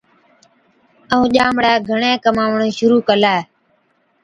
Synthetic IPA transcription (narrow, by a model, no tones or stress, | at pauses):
əũːʄaːmɽaːɡʱəɳẽːkəmaːʋɳõːʃʊɾuːkəlaː